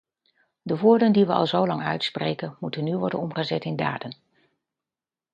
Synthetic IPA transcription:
dəʋʊːɹdəndiʋəʔɑ̰lˠzowlɑŋœ̰ɥtsprejkənmutənːyʋɔɹdə̰nɔmχəzɛtɪnda̰ːdən

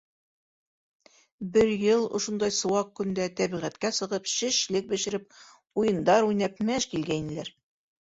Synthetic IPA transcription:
bɘɾjɤlˠŏʃŏnd̪ɑjsŏwɑq̚kɵ̆nd̪æt̪æbiʁæt̪kæsɤ̆ʁɤpɕɘ̆ʃlɘk̚bɘ̆ʃɘ̆ɾɘp̚ | ujɤ̆nd̪ɑɾujnæpmæʃkilɡæinɘ̆læɾ

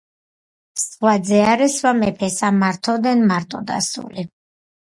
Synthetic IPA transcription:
swad̪zɛaɾɛswamɛpʰɛsamaɾt̪ʰɔd̪ɛnmaɾt̪ʼɔ̰d̪a̰sṵli

